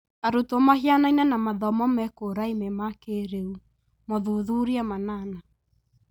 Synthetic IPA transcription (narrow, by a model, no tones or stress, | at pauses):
aɾutomahianainanamaðɔmɔmɛkoɾaimɛmakeɾeu | mɔðuðuɾiamanana